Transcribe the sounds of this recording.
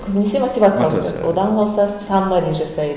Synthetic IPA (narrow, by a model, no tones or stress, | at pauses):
kʲʰɵbɪnesemot̪ivat̪sɨjɑlˠd̪əwod̪ɑnqʰolˠsɑssɑmʁɑd̪e̞jnʒɑsɑjd̪